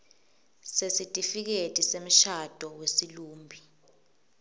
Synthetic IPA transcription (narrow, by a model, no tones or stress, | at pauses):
sesitʼifik̬etʼisem̩ʃad̥ʱɔwesiluːmbʱi